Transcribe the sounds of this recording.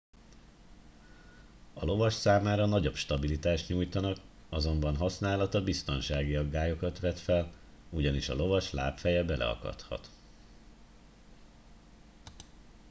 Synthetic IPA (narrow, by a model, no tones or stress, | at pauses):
ɒlo̞vɒʃsaːmaːɾɒnɒɟo̞pʃt̪ɒbilit̪aːʃt̪ɲuːjt̪ɒnɒk | ɒzo̞mbɒnɦɒsn̪aːlɒt̪ɒbist̪o̞nʃaːɡiɒɡːaːjo̞kɒt̪ʋɛt̪fɛluɟɒniʃɒ̰lo̞vɒʃla̰ːpfɛjɛbɛlʔɛ̰ɒ̰kɒ̰t̪hɒ̰t̪